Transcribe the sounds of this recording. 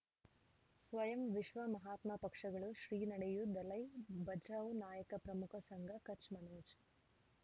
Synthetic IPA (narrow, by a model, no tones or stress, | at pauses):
sʋɐjɐmʋiʃʋɐmɐɦaːt̪mɐpɐkʂɐɡɐɭuʃɾiːnɐɽejud̪ɐlɐjbɐd͡ʒaːʋunaːjɐkɐpɾɐmukʰɐsɐŋɡʱɐkɐt͡ʃmɐnoːd͡ʒ